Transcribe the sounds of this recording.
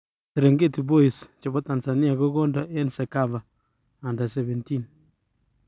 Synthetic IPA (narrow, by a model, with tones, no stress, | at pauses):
tɪ˨ɾe˨ŋɡe˦ti˨bo˦i˨st͡ʃɔ˨bɔ˦ta˨nsa˨nɪ˦a˨ko˦ɡɔ˦ndɔ˦ʔe˦nsɛ˨ka˦βa˨ | a˨nda˨sɛ˨βɛ˨nti˦n